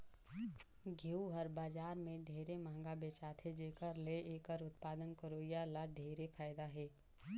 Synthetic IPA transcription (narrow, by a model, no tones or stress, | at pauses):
ɡʱeuɦəɾbaːd͡ʒaːɾmẽɖʱeːɾemãːŋɡabeːt͡ʃaːt̪ʰed͡ʒeːkəɾleeːkəɾʊt̪̚paːd̪ənkəɾoːjalaɖʱeːɾepʰaːjd̪aɦɛː